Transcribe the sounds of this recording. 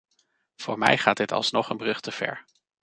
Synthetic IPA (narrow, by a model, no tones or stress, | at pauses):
v̥ʊːɹmɛ̰jχaːt̚dɪtʰɑ̰lˠsnɔχənbrɵχtʰəv̥ɛ̰ɹ